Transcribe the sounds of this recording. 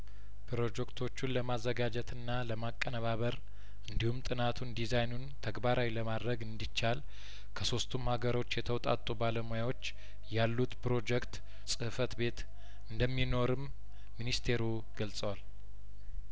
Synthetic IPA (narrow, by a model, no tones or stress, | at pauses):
pʰɨɾo̞d͡ʒɛkt̪ʰo̞t͡ʃːunləmazːəɡad͡ʒɛt̪ʰɨnːaləmakʼːənəβaβəɾ | ɨnd̪ihumt̪ʼɨnat̪ʰund̪izajnunt̪ʰəɡbaɾawiləmad̪ɾəɡɨnd̪it͡ʃːal | kʰəso̞st̪ʰumhaɡəɾo̞t͡ʃːjɛt̪ʰəwt̪ʼa̰t̪ʼubaləmojawo̞t͡ʃː | jalːut̪pɾo̞d͡ʒɛkt̪ | sʼɨhfət̪be̞t̪ | ɨnd̪əmːino̞ɾɨmː | inist̪ʰe̞ɾu | ɡəlsʼəwal